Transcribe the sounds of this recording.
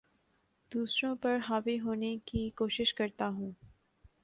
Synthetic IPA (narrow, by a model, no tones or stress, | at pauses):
d̪̥uːsɾõpɐɾɦaːʋiɦoːnekikoːʃɪʃkɐɾt̪aɦũː